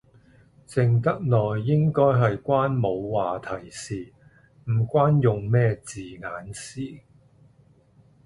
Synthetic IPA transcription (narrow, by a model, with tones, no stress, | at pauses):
t͡sɪ˨ŋt̪ɐ˥k̚nɔː˨˩jːɪ˥ŋkɔː˥jɦɐ˨jkʷaː˥nmo˨˧wwaː˨t̪ʰɐ˨˩jsiː˨˩ | m̩˨˩kʷaː˥njʊ˨ŋmɛː˥t͡siː˨˩ŋaː˨˥nsiː˥